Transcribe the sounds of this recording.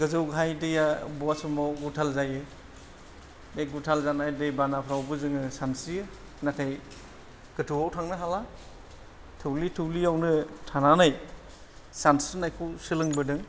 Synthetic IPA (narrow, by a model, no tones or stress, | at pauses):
ɡɯzɯwɡʱajdɯjabɔasumɔwɡutʰalzajɯ | beɡutʰalzanajdɯjbanapʰɾawbɯzɯŋɯsansijɯ | natʰaj | ɡ̥ɯtʰuwawtʰaŋnɯɦala | tʰɯwlitʰɯwliawnɯtʰananaj | sansinajkʰuwsɯlɯŋbɯdɯŋ